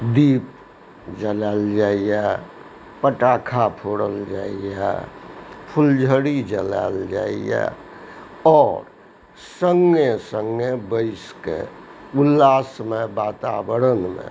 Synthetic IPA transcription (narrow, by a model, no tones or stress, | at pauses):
d̪iːp̚ | d͡ʒəlald͡ʒaːijɛ | pəʈaːkʰapʰoɽəld͡ʒaːijɛ̰ | pʰʊld͡ʒʱəɽid͡ʒəla̰ːld͡ʒa̰ːijɛ̰ | ɔːɾ | səŋɡesəŋɡebəɪskḛulːaːsmebaːt̪abəɾənmḛ̃